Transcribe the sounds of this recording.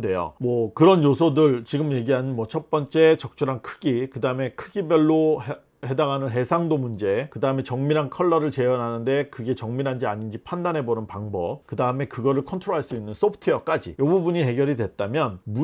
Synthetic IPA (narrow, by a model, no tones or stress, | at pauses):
de̞jo̰mwʌkɯɾʌnjosʰʌdɯɭt͡ɕiɡɯmje̞ɡiɦanɯnmwʌt͡ɕʰʌp͈ʌnt͡ɕ͈e̞t͡ɕʌk̚t͡ɕ͈ʰuɾɦankʰɯɡikɯdaɯme̞kʰɯɡibjʌɭːo | he̞daɡanɯnɦe̞sʰaŋdomund͡ʑe̞kɯdaɯme̞t͡ɕʌŋmiɾɦankʰʌɭːʌɾɯɭt͡ɕe̞jʌnɦanɯnde̞kɯɡe̞t͡ɕʌŋmiɾɦand͡ʑiaɲind͡ʑipʰandanɦe̞bonɯnpaŋbʌp̚kɯdaɯme̞kɯɡʌɾɯɭkʰʌntʰɾoɦaɭs͈uinːɯns͈opʰtʰɯjʌk͈ad͡ʑḭjʌbubuɲiɦe̞ɡjʌɾidwe̞t̚t͈amjʌnmu